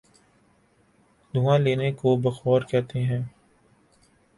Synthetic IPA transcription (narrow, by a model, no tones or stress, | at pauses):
d̪ʱuːãleːnekobɐxɔːɾkɛɦt̪eɦɛ̃ː